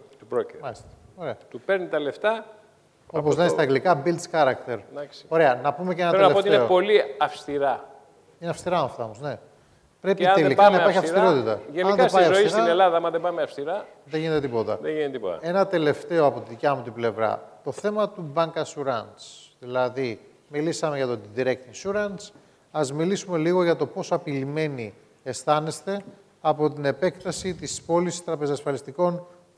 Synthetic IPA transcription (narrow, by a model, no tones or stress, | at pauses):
t̪upɾocmɐlist̪ɐ̥ | oɾe̞ɐt̪upe̞ɾnit̪ɐle̞ft̪ɐ | opozneist̪ɐɡlikɐbilt̪sxɐɾɐkt̪eɾd̪ɐksi̥o̞ɾe̞ɐnɐpume̞ceenɐtɾenɐeoneopo̞liɐfst̪iɾɐ | ineɐfst̪iɾɐɐmɐft̪ɐomozne̞ | pɾe̞piɐnelikɐnnɐipɐɾçiɐst̪iɾo̞t̪it̪ɐʝenɐinðesbɐiɐzosiisɾɐnelɐðɐɐmɐðebɐmeɐfst̪iɾɐ | ðeʝinet̪et̪ipo̞t̪ɐ̰ðʝinet̪ipot̪ɐ̰e̞nɐt̪e̞le̞ft̪e̞o̞ɐpo̞t̪iðicɐmut̪ible̞vɾɐ̰t̪o̞θe̞mɐt̪ubɐŋkɐsuɾɐnsðilɐði | milisɐme̞ʝɐt̪od̪iðiɾe̞kt̪isuɾɐns | ɐzmilisume̞liɣoʝɐt̪o̞po̞sɐpilime̞ni | e̞st̪ɐne̞st̪e̞ | ɐpo̞t̪ine̞pe̞kt̪ɐsit̪ispo̞lisst̪ɾɐpe̞zɐsfɐlist̪iko̞n